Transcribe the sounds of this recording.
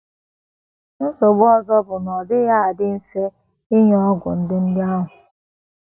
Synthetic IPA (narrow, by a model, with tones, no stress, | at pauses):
n̩˦so˨ɡ͡bɔ˦zɔ˦bʊ˨nɔ˨dɪ˦ja˦a˨dɪ˦n̩˦fe˦ | ɪ˦ɲɔ˦ɡʷʊ̰˨n̩˦dɪ˦n̩˦dɪ˦a˦ɦʊ˨